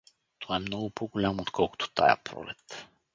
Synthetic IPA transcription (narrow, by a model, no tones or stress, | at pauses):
t̪ɔɛmnɔɡʊpoɡʊlʲamot̪kʰɔlˠkʊ̥t̪o̥t̪a̰jə̰pɾɔ̰lɛt̪